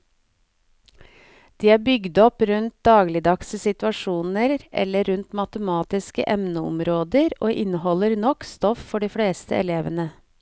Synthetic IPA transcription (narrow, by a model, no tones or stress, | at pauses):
d̪̥iːæːbʏɡd̪ɔpɾʉnt̪̚d̪ɑːɡlɪd̪ɑksəsɪt̪ʋɑʃuːnəɾʔɛ̰ləɾʉnt̪mɑt̪əmɑːt̪ɪskə̰ʔɛmnəʊ̰mɾoːd̪əɾʔo̰ːʔɪnəhɔləɾnɔkst̪ɔffɔɖiːfɽeːst̪ə̰ʔɛ̰leːʋənə